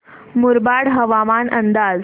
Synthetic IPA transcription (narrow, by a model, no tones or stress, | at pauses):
muɾbaɽɦəʋamanʔənd̪ad͡z